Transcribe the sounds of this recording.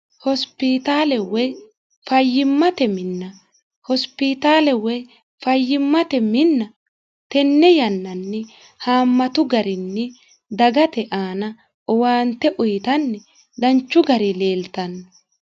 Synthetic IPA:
hɔspɪt̪aːlɛwɛ | fɐjːɪmːɐt̪ɛmɪnːɐ | hɔspɪt̪aːlɛwɛ | fɐjːɪmːɐt̪ɛmɪnːɐ | t̪ɛnːɛjɐnːɐnːɛ | haːmːɐt̪ʊɡɐɾɪnːɛ | d̪ɐɡɐt̪ɛʔaːnɐ | ɔwaːnt̪ːɛʔʊjt̪ɐnːɛ | d̪ɐnt͡ʃːʊɡɐɾɪleːlt̪ɐnːɐ

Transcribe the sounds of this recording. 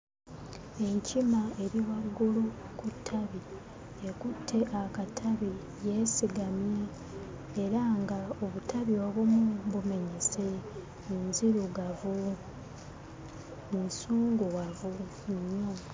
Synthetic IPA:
e̞ɲcimae̞ɾiwaɡːulukutʰːaβi | ekutʰːe̞ʔakatʰaβi | je̞siɡamje̞ː | ɾaŋɡaoβutʰaβio̞ːβumubume̞ɲese̞ | minziɾuɡavu | misuːŋɡuwavu | ɲːo

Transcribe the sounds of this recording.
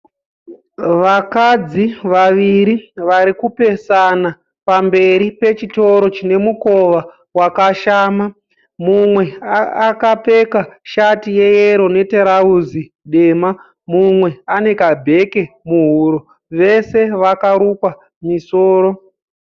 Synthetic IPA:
ʋakad͡ziʋaʋiɾiʋaɾikupe̞sana | pambe̞ɾipe̞t͡ʃito̞ɾo̞t͡ʃine̞muko̞ʋa | wakaʃaːma | mumwe̞akape̞kaʃatije̞jeɾo̞ne̞teɾauzi | ɗe̞ːma | mumwe̞ane̞kabʱe̞ke̞muɦuɾo | ʋe̞se̞ʋakaɾukwa | miso̞ːɾo̞

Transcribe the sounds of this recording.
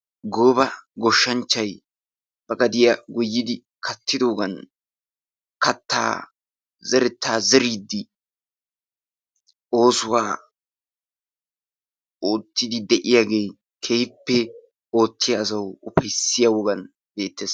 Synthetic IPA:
ɡoːbɐɡɔʃːɐnt͡ʃːɐj | b̥ɐɡɐd̪ɪjɐɡʊjːɪd̪ɪ | kʰɐt̪ːɪd̪o̞ːɡɐn | kɐt̪ːa̰ː | zɛɾɛt̪ːaːzɛɾiːd̪ːɪ | o̞ːsʊwaː | oːt̪ːɪd̪ɪd̪ɛʔɪjaːɡe̞ː | kʰe̞ːhɪpːɛ | o̞ːt̪ːɪjaːsɐwʊpɐjsɪjɐwɔɡɐn | be̞ːt̪ːeːs

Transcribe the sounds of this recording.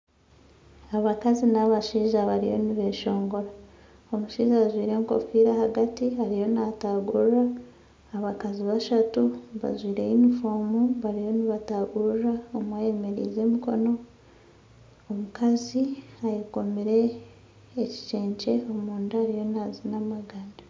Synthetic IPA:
aβakazinaβaʃiːʒaβaɾijo̞̰niβeʃo̞ːŋɡo̞ɾa | omuʃiːzaːzwiːɾe̞ŋko̞̰fiɾahaɡatiaɾijo̞nataɡuɾaː | βakaziβaʃatuβa̰zwiːɾe̞̰jinifoːmuβaɾijo̞niβataɡuraomwaje̞me̞ɾḭze̞miko̞̰no̞ | mukaziajiko̞meɾe̞ː | ci̥ce̞ːɲce̞omuːndaːɾijo̞nazinamaɡana

